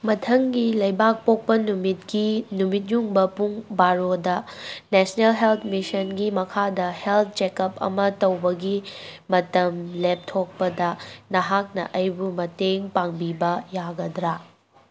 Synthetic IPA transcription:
mɐtʰɐŋɡilɐjbak̚pok̚pɐnumit̚ɡinumit̬̚juŋbɐpuŋbaɾodɐnesnelɦelt̪ʰmisɐnɡimɐkʰadɐhelt̪̚ʰt͡ʃekɐpɐ̰mɐtɐwbɐɡimɐtɐmlep̚tʰok̚pɐdɐnɐɦak̚nɐ̰ʔɐjbumɐteŋpaŋbibɐjaɡɐdɾa

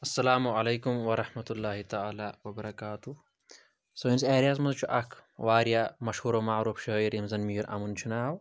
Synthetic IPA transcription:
ɐsːɐlaːmuʕɐleːkumwɐɾɐħmɐt̪ulːaːɦit̪aaːlaːwɐbɐɾɐkaːt̪u | soːinzeːɾjaz̬mɐzt͡ʃʰuʔɐkʰwaːɾjamɐʃhuːɾomaʕɾuːfʃɐiɾimzɐnmiːɾʔɐ̰munt͡ʃʰunaːw

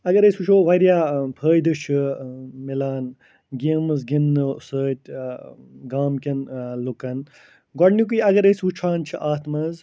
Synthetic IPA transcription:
ɐɡɐɾəsut͡ʃʰoːʋɐɾjaːpʰəːjd̪ɨt͡ʃʰɨmilaːn | ɡiːmɐzɡinːɨsəːt̪̚ʲ | ɡaːmkʲɐnlukɐn | ɡɔɖnik̬uiɐɡɐɾəːsʋut͡ʃʰaːnt͡ʃʰiʔaːt̪mɐz

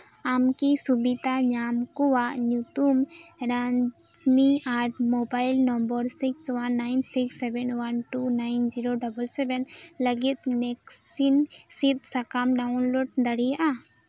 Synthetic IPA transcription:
amkisubit̪aɲamkuwaʔɲut̪umɾa | d͡ʒmiaɾʈmobajlnɔmbəɾsikswanːajnsiksːɛbɛnwanʈunajnd͡ʒiɾoɖɐbəlsɛbɛnləɡit̪̚nɛksinsit̪̚sakamɖaunloɖd̪əɽijaʔa

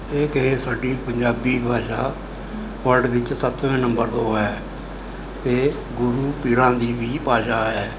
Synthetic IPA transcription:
eːkeːsaːɖiːpəɲd͡ʒaːbiːbʱaːʃaː | ʋəlɖʋɪt͡ʃsət̪ʋẽːnəmbəɾd̪oːɛː | t̪eː | ɡʊɾuːpɪɾãːd̪iːʋiːpaːʃaːɛː

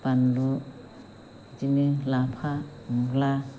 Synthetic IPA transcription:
b̥anlu | d͡ʒinilapʰamɡla

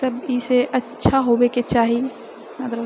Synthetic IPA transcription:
əbiseʔəʃʰaɦobeket͡ʃaːɦie | ad̪ɾ

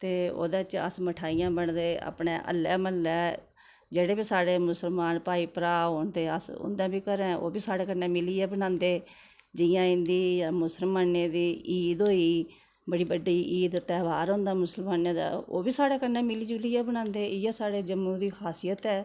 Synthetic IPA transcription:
t̪eːo̰ːd̪ẽt͡ʃə̰sməʈʰaːijãːbəɳd̪eːa̰ːpɳḛːʔə̰lːɛ̰ːməlːɛː | d͡ʒeːɽeːbiːsaːɽeːmʊsəlmaːnpaːiːpɾaːɦoːɳt̪eːə̰sʊ̰̃nd̪ãːbiːkəɾɛ̃ːʔo̰ːbiːsaːɽeːkənɛ̃ːmɪliːɛːbənãːnd̪eː | d͡ʒɪjãːɪ̃nd̪iːjaːmʊsəlmaːneːd̪iːʔiːd̪ɦoːiː | bəɽiːbəɖiːʔiːd̪t̪ɛːʋaːɾɦʊ̃ːnd̪aːmʊsəlmaːnẽːd̪a̰ːo̰ːbiːsaːɽeːkənɛ̃ːmɪliːd͡ʒʊliːɛːbənãːnd̪eːɪjɛːsaːɽeːd͡ʒəmːũːd̪iːkʰaːsijət̪ɛː

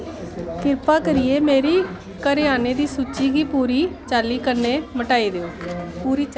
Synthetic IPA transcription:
kɪɾpaːkəɾɪeːmeːɾiː | kəɾɪjaːneːd̪iːsuːt͡ʃːiːɡiːpuːɾiːt͡ʃaːlːiːkənːeːməʈaːiːd̪eːoːpuːɾiː

